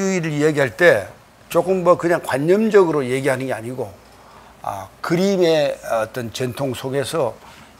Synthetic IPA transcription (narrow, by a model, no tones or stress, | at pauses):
ɯiɾɯɭjeɡiɦaɭt͈e̞ | t͡ɕok͈ɯmmʌkɯɲaŋkwaɲːʌmd͡ʑʌɡɯɾoje̞ɡiɦanɯnɡe̞aɲiɡo | ʌ̰kɯɾime̞ʌʌt͈ʌnt͡ɕentʰoŋsʰoɡe̞sʰʌ